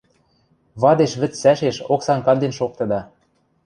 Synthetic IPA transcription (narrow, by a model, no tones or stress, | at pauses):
βɑd̪eʃβɘ̆t͡ssæʃeʃoksɑnkɑnd̪enʃok̚t̪ɤ̆d̪ɑ